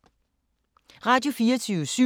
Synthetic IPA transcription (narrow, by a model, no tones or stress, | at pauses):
ʁɑ̈d̥jo̝fiːɐt͡sʰyːʊsy